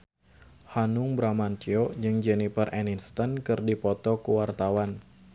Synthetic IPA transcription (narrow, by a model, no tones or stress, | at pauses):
hanʊŋbɾamant̪iɔd͡ʒɨŋd͡ʒɛnifərʔɛninst̪ɔnkɨrdipɔt̪ɔkuwart̪awan